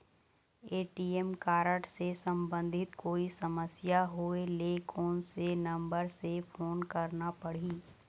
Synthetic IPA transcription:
eːʈiɛmkaːɾəʈsesə̃mbə̃nd̪ʱɪt̪koːisɐməsjaɦoelekʰoːnsenɐ̃mbəɾsefʰoːnkɐɾnapɐɽ̤iː

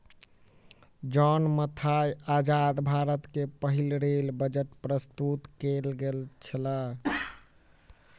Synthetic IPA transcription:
d͡ʒɔnmət̪ʰajad͡ʒad̪bʱaɾət̪kepəɦilɾelbəd͡ʒəʈpɾəst̪ut̪kelɡelt͡ʃʰəla

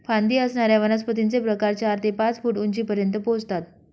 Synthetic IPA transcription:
fãnd̪iːəsɳaɾjaʋənəspət̪int͡sepɾəkaɾt͡ɕaɾt̪epãt͡sfuːʈuɲt͡ɕiːpəɾjənt̪əpod͡zt̪at̪̚

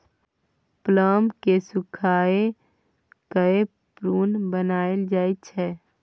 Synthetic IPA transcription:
pləːmkesʊkʰaːe | kəe | pɾuːnbənaːeld͡ʒaːit̪t͡ʃʰɛː

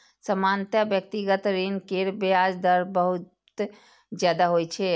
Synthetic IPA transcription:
səmant̪abjək̚t̪iɡət̪ɾinkeɾbead͡ʒd̪əɾbəɦut̪ | d͡ʒjaːd̪aɦojt͡ʃʰɛ

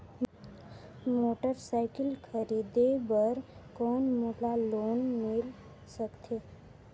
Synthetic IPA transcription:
moʈəɾsaɪkəlkʰəɾid̪ebəɾkɔːnmoʈalonmɪl | səkt̪ʰe

